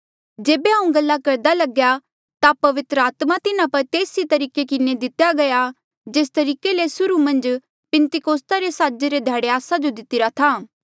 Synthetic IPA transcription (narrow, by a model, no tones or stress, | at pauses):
d͡ʒeːbeɦɐũɡɐlːakɐɾd̪alɐɡja | t̪apɐʋɪt̪ɾəaːt̪mat̪ɪnãpɐɾt̪eːsit̪ɐɾiːkekɪned̪ɪt̪jaɡɐja | d͡ʒeːst̪ɐɾiːkelesʊɾumɐ̃nd͡ʒ | pɛ̃nt̪ɪkoːst̪aɾesaːd͡ʒeɾed̪ʱaːɽeaːsad͡ʒod̪ɪt̪ɪɾat̪ʰaː